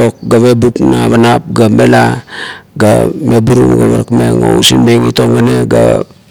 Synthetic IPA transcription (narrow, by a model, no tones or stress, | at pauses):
ok̚ɡaβebupnaβanap̚ɡame̞la | ɡa̰mebuɾuŋɡaβaɾakmeŋousinmeŋito̞ŋːane̞ɡa̰